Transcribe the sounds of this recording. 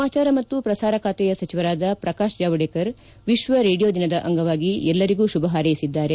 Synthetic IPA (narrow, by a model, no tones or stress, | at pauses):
aːt͡ʃaːɾɐmɐt̪ːupɾɐsaːɾɐkʰaːt̪ɛjɐsɐt͡ʃiʋɐɾaːd̪ɐpɾɐkaːʃd͡ʒaːʋɐɽeːkɐɾ | ʋiʃʋɐɾeːɽijoːd̪inɐd̪ɐʔɐŋɡɐʋaːɡiɛlːɐɾiɡuːʃubɐɦaːɾɐjisid̪ːaːɾe̞